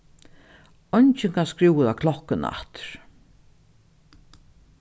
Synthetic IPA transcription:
ɔɲt͡ʃɪŋkʰaskɾiwəðakʰlɔhkɪna̰ht̪ɾ̥

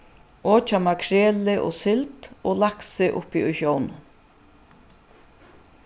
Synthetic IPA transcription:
ɔːt͡ʃamakʰɾeːlɪʔɔ̰sɪlt̪ɔlaksɪʔʊ̰piʔʊ̰jʃjown

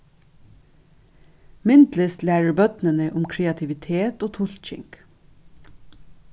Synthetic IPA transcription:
mɪnd̪lɪst̪læːɹəbœt̪nənəʔʊmkʰɾeːɑt̪ʰɪʋɪt̪ʰeːt̪oːt̪ʰʊlc͡çɪ̰ŋk

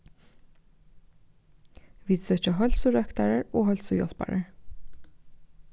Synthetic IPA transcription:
ʋiːsøːc͡çəɦœlsʊɹœkt̪ɑɹəɹoːhœlsʊjɔ̰lpɑ̰ɹə̰ɹ

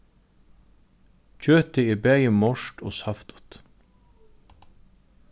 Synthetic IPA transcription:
t͡ɕøːt̪ɪibɛːjəmɔʂt̪ɔ̰ːsaft̪ʊ̥t̪

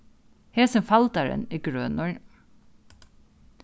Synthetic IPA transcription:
heːsɛmfɑlt̪aɾə̰niːɡɾøːnʊɹ

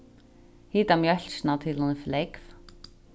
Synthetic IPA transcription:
hiːt̪amjœl̥snat̪ʰɪlhɔnɪflejkf

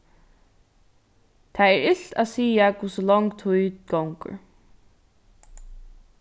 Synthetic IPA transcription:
t̪ʰaɛɹɪɬt̪a̰ðsiːakuːsɔlɔŋkt̪ʰuj̪ɡawŋkʏ̰ɹ

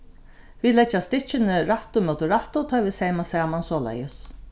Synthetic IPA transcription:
viːlɛt͡ʃːast̪ɪt͡ʃɪnɪɾaht̪ʊmœwt̪ʊɾaht̪ʊt̪ʰɔːjʋiːsɛːjmasɛːmansɔːla̰jəs

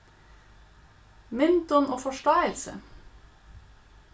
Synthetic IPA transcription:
mɪnt̪ɔnʔoːfɔʃʈɑːɪəlsə̰

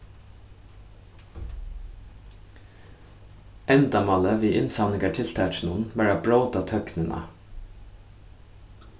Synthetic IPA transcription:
ʔɛnd̪ɑmɑləʋiːʔɪnsɑnɪɡɑʈʰɪlt̪ʰæːʃn̩ʊn̩ʋæːɹɑbɹoːt̪ɑːt̪ʰœknənʔɑ̰

